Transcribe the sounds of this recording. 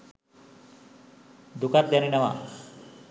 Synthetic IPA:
d̪ukat̪̚d̪janinɛʋa̰

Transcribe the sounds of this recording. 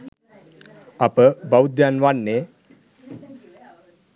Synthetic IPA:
apəbawd̪janʋaɳːe

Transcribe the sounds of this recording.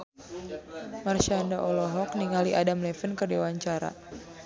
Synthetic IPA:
marʃandaʔɔlɔɦɔk̚niŋaliʔadamlɛfənkərdiwaɲt͡ʃaɾa̰

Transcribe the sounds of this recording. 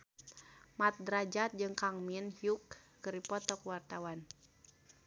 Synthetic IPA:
mat̪̚dɾad͡ʒat̪̚d͡ʒɨŋkaŋminhjukː | əɾipɔt̪ɔkuwart̪awan

